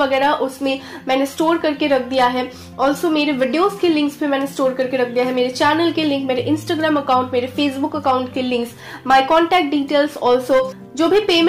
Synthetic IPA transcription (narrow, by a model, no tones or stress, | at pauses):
ɐɡɛːɾaʔʊsmẽmɛ̃ːnesʈoːɾkɐɾkeɾɐk̚ʰd̪ijaɦɛː | ɔːlsomeːɾeʋɪɖijoːskelɪ̃ŋksbʱimɛ̃ːnesʈoːɾkɐɾkeɾɐk̚ʰd̪ijaɦɛmeːɾet͡ʃɛːnəlkelɪ̃ŋkmeːɾeʔɪ̃nsʈaːɡɾaːmɐkaːʊ̃ɳʈmeːɾefeːsbʊkɐkaːʊ̃ɳʈkelɪ̃ŋks | maːɪkɔːɳʈɛːk̚ʈ̚ɖiːʈeːlsɔːlso | d͡ʒoːbʱipeːm